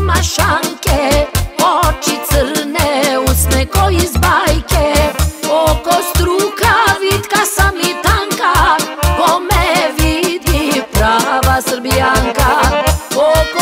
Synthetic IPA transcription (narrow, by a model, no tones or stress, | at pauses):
maʃaŋkɛot͡ʃit̪səɾnɛusnɛkɔizbajkɛ | okost̪ɾuːkaʋit̪kasamit̪aŋkakomɛʋid̪ipɾaːʋasərbijaŋka | ok